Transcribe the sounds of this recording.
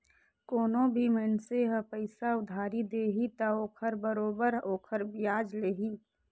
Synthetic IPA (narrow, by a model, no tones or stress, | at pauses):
koːnõbʱimənseɦəpəɪsaʊd̪ʱaːɾid̪eːɦit̪aoːkʰəɾbəɾoːbəɾoːkʰəɾbijaːd͡ʒleːɦi